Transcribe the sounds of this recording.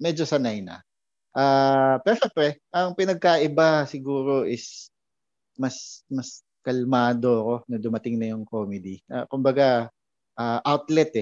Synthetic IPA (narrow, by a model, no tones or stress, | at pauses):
mɛd͡ʒosɐnajnɐ̰ | ʔaːpɛːɾoʃɛmpɾɛʔɐŋpɪnɐɡ̚kaʔɪbasɪɡuːɾo̞ʔɪs | mɐsmɐs | kɐlmaːd̪o̞ɐko̞nɐd̪ʊmɐt̪ɪŋnɐjʊŋkoːmɛd̪iʔa̰kʊmbɐɡa | ʔaːʔawt̪lɛt̪ɛ